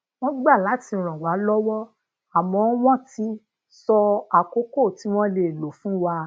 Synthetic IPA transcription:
w̃ɔ̃˦ɡ͡ba˦˨la˨˦ti˧˨ɾ̃ɔ̃˨wa˨˦lɔ˦wɔ˦ | a˨mɔ̃˨˦w̃ɔ̃˦ti˦ | sɔ˧a˨ko˦ko˦˨ti˨˦w̃ɔ̃˦le˧˨lo˨fũ˨˦wa˧

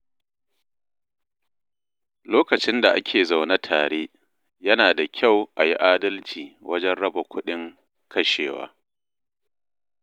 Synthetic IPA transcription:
loː˦kɐ˨t͡ʃɪ˦nda˨ʔa˦kʲʰeː˨za˨wna˦tʰaː˨ɽeː˦ | jɐ˦naː˨da˨kʲʰa˦˨wʔa˨ji˦ʔaː˦dɐ˦lt͡ʃiː˨wʔɐ˦d͡ʒɛ˦nɽɐ˦ba˨kʷʊ˦ɗɪ˦ŋ | kʰɐ˦ʃḛː˨wa̰ː˦

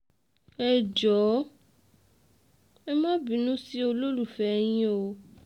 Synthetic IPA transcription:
ɛ˨d͡ʒɔ˨˦ | ɛ˦mã˦bi˨nũ˦si˦o˧lo˦lu˨fɛ˨˦ɲ̃ĩ˦o˧

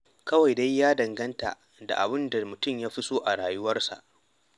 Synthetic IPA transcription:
kɐ˦wa˨jda˦jːaː˦dɐ˨ŋɡɐ˦nta̰˨ | da̰˨ʔa̰˨bɪ˦nda˨mʊ˨tʊ˦˨mjaː˦ɸɪ˦soː˦ʔa˨ɽaː˨jʊ˦wɐ˦rsa̰˨ʔ

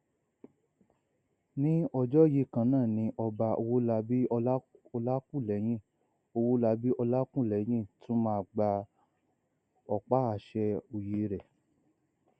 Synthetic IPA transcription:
nĩ˦ɔ˧d͡ʒɔ˦ji˧˦kã˧˦nãː˦˨nĩ˧˦ʔɔ˧ba˧o˧wo˦la˧bi˦˧˦ɔ˧la˦kũ˦˨lɛ˨˦j̃ĩ˦˨ | o˧wo˦la˧˦bi˦ʔɔ˧la˦kũ˦˨lɛ˨˦j̃ĩ˦˨tʰũ˦mã˦a˨ɡ͡ba˧ | ɔ˧˨k͡pa˦a˨ʃɛ˧o˨je˨˦ɾɛ˨

